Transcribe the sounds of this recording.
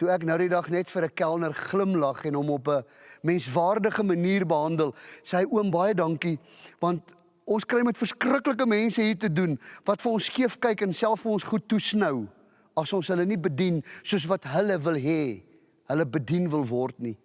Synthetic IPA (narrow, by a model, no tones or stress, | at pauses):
tuæknəwdidɐχnɛtfəɾəkælˠnərχləmlɐχɛnɦɔmɔp̬əmɛnsvɑːrdəχəməniːrbəɦɐndəlˠsəjuəmbɐjədɐŋki | vɐnt̚ | ɔnskrɛjmɛtfərskrəkləkəmɛnsəɦiːrtədunvɐtfəɔnskiəfkɛjkənsælˠfəlɔ̃nsχutːusnəw | ɐsɔnsɦələnibədinsuəs̬vɐtɦələvəlˠɦɛ | ɦələbədinvəlˠvɔrtni